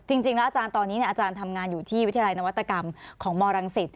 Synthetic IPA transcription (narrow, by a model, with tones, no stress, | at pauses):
t͡ɕi˧ŋt͡ɕi˧ŋlɛ˦˥ʔaː˧t͡ɕaː˧nt̪ɔː˧nːiː˦˥ni˥˩ʔaː˧t͡ɕaː˧nt̪ʰa˧mŋaː˧njuː˨˩t̪ʰiː˥˩wt̪ʰːla˧jna˦˥wa˦˥t̪ːa˧ka˧mkʰɔː˩˦ŋmɔː˧ɾa˧ŋsi˨˩t̪̚